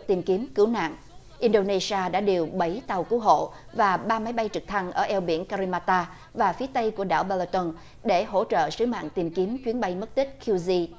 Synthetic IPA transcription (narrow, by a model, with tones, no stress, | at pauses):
t̪i˨˩mki˨˦əmkɨ˨˦wna̰ː˧˨ŋʔ | ʔi˧nɗo˧ne˧si˧aː˧ɗa̰ː˧˥ɗe˨˩wɓə˨˦jt̪a˨˩wku˨˦ɦo̰˧˨ | vaː˨˩ɓaː˧ma˨˦jɓa˧jt͡ɕɨ˨˩k̚t̪ʰa˧ŋʔəː˧˩ʔɛ˧wɓḭ˧˩ənka˧ɾi˧maː˧t̪aː˧ | vaː˨˩fi˨˦ət̪ə˧jku˧˩əɗa̰ː˧˩wɓa˧la˧t̪o˧n | ɗe˧˩ɦo̰˧˥t͡ɕə̰ː˧˨sɨ˨˦ma̰ː˧˨ŋt̪i˨˩mki˨˦əmt͡ɕwi˨˦ənɓa˧jm̚˦˥t̪ï˦˥k̟̚kʰi˧zi˧